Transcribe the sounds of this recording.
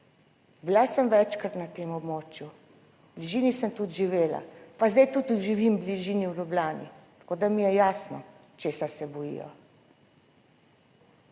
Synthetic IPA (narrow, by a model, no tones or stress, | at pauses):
bilasəmʋɛt͡ʃkɾat̪nat̪eːmɔbmoːt͡ʃju | bliʒiːnisəmt̪ut̪ʒiʋeːla̰pazd̪ajt̪ut̪uʒiʋimbliʒiːniwlʲublʲaːnḭt̪ḁkoːd̪amijɛjaːsnɔ | t͡ʃeːsaɾsɛbɔjḭjɔ̰